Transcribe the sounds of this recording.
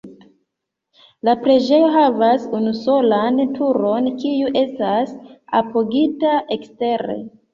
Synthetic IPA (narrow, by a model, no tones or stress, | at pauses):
lapɾe̞d͡ʒe̞jo̞ɦavasunuso̞lantʰuɾo̞nkijuʔe̞stasa̰poɡitaʔe̞kste̞ɾe̞̰